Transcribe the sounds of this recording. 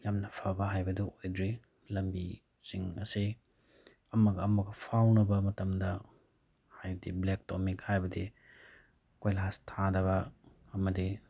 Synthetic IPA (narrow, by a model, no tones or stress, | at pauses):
jamnɐpʰabɐɦajbɐduʔojdɾi | lɐmbi | siŋɐ̰si | ɐmɐɡɐɐmɐɡɐpʰawnɐbɐmɐtɐmdɐ | hajbɐdiblek̚tomikhajbɐdi | kojlɐɦastʰadɐβɐ | ɐmɐdi